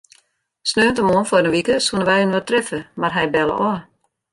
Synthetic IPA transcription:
snøːəntəmoənfɔdənʋikəsunəʋɛjynʋɔtrɛfəmarɦɛjbɛlə̰ʔɔ

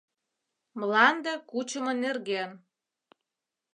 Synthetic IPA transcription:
mlɑnd̪əkut͡ɕəmɤ̆nerɣen

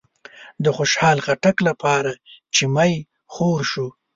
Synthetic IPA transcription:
d̪əxoʃhɑlɣaʈaklapʰɑɾat͡ʃɪmaj | xoɾʃu

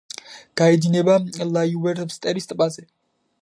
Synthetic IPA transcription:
ɡ̥aɛd̪inɛbalajuwɛɾt̪ʰmst̪ʼɛɾist̪ʼpʼazɛ

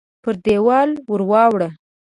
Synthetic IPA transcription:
pəɾd̪ewɑlwəɾwɑwɽə

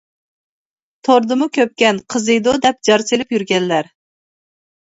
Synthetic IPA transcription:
t̪ʰoɾd̪ɨmukʲʰøp̚kʲɛnqʰəzɨd̪od̪ɛp̚d͡ʒɑɾt͡ʃilɪpjyɾɡʲɛnlæɾ

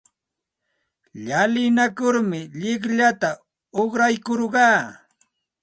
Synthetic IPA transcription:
ʎalɪnakʊɾmɪʎɪkʎat̪a | oχɾajkoɾɢɑː

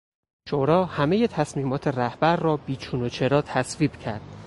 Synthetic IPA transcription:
ʃoɾɒːhæmeje̞t̪ʰæsmiːmɒːt̪ʰe̞ræhbæɾːɒːbiːt͡ʃʰuːnot͡ʃʰe̞ɾɒːt̪ʰæsviːbcʰæɾd̪̥

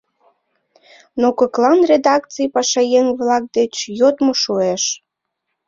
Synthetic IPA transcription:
nokəklɑnred̪ɑkt͡sijpɑʃɑjeŋβlɑk̚d̪et͡ɕjot̪moʃueʃ

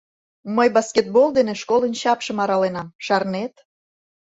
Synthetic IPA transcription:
məjbɑskʲet̪̚bold̪eneʃkolənɕɑpʃə̆mɑɾɑlenɑmʃɑrnet̪

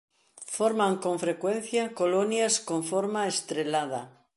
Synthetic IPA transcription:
foɾmãŋkoɱfɾekwẽn̟θjakolonjaskoɱfoɾmaest̪ɾelað̞a

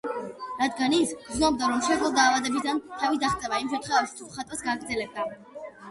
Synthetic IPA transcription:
ɾad̪ɡanisɡznɔb̚d̪aɾɔmʃɛd̪lˠɔd̪aːvad̪ɛbid̪ant̪ʰavid̪aχt̪sʼɛvaimʃ̬ɛmt̪χwɛvaʃi̥t̪ʰuχat̪ʼwasɡaːɡɾd̪zɛlɛb̚d̪a

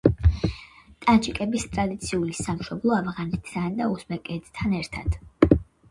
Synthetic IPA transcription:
t̪ʼant͡ʃʼʰikʼɛbist̪ʼɾad̪it̪sʰiulisamʃɔblˠɔavʁanɛt̪ʰːand̪ausmɛkʼɛt̪ʰt̪ʰanɛɾt̪ʰa̰d̪̥

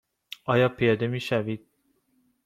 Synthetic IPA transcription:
ɒːjɒːpʰijɒːd̪emiːʃævid̪̥̚

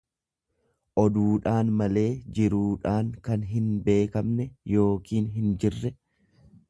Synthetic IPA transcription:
ʔɔd̪uːᶑaːnmɐle̞ːd͡ʒɪɾuːᶑaːŋkɐnɦɪnbe̞ːkɐmnɛjo̞ːkiːnɦɪnd͡ʒɪrːɛ

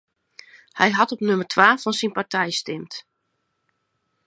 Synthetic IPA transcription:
hɛjɦɑtɔpnømərtʰʋaːfɔnsinpartɛjstɪmt

